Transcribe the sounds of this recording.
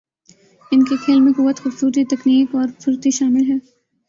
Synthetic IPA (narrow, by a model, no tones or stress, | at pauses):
ɪnkexʰeːlmẽkʊʋːət̪xʊbsuːɾt̪it̪ɐkniːkɔːɾsʊɾt̪iʃaːmɪlɦɛː